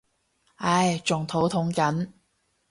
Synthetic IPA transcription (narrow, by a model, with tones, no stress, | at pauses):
ɐ˧˥jt͡ʃʊ˨ŋt̪ʰo˨˧˥wt̪ʰʊ˨˥ŋkɐ˨˥n